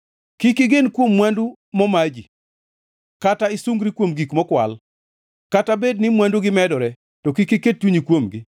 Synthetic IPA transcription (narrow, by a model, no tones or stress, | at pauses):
kikɪɡenkwomːwandu | mɔmad͡ʒi | kataɪsuŋɡɾikwomɡikmɔkwa̰l | katabednɪmwanduɡɪmɛdɔɾɛ | tɔkikiket̚t͡ʃuɲikwomɡɪ